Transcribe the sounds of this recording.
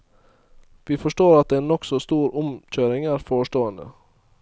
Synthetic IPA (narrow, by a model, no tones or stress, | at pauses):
ʋiːfɔʂʈoːɾɑt̪̚d̪eːnɔksɔst̪uːɾʊmçøːɾɪŋæːɾfoːʂʈoːənd̪ə̰